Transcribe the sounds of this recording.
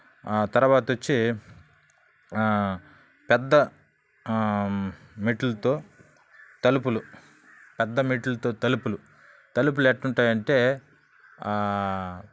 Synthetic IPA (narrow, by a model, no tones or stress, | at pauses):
t̪ɐɾɐʋaːt̪ɐʋot͡ʃːi | pɛd̪ːɐ | miʈulɐt̪o̞ː | t̪ɐlup̬ulu | pɛd̪ːɐmiːʈulɐt̪o̞ːt̪ɐlupulu | t̪ɐlup̬uleːʈːuɳʈaːjɐɳʈe̞ː